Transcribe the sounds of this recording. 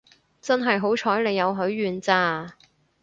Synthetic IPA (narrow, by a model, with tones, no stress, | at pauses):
t͡sɐ˥nɦɐ˨jɦo˨˥wt͡ʃʰɔː˨˥jle˨˧jɐ˨˧wɦɵ˨˥ɥːyː˨˧nt͡saː˧